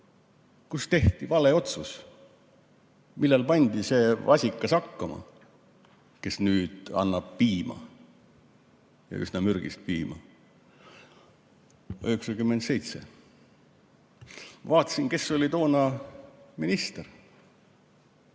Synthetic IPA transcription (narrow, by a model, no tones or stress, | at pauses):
kust̪e̞ht̪ivɑle̞o̞t̪sus | milːelpɑnʲd̪̥ise̞ːvɑsʲikːˑɑsɑkːɑmɑ̰ | ke̞snyːd̪̥ɑ̰nːɑb̥̚piːmɑ̰ | jɑ̰y̰snɑmyɾɡ̥ḭst̪̚piːmɑ̰ | øheksɑkymːent̪se̞jt̪se̞̰ | vɑːt̪ːˑɑ̥sinke̞sːo̞lʲit̪o̞ːnɑ | minist̪er